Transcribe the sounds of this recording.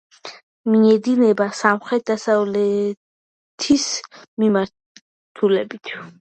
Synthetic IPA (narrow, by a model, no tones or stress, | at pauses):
miɛd̪inɛbasamχɾɛt̪̚d̪asavlɛ | t̪ʰismimaɾ | t̪ʰulɛbit̪ʰ